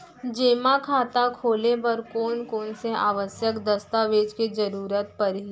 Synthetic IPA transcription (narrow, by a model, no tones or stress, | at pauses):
d͡ʒeːmakʰaːt̪akʰoːlebɐɾkoːnkoːnsea̰ːʋəsjəkd̪əst̪aʋeːd͡ʒked͡ʒəɾuːɾət̪̚pɐɾɦi